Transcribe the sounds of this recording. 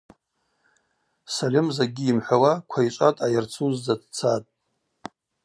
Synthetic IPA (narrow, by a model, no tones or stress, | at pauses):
salʲɪmzaɡʲiːmħʷawakʷʰait͡ʃʷʼatʼajart͡sʰuzd͡zadt͡sʰatʼ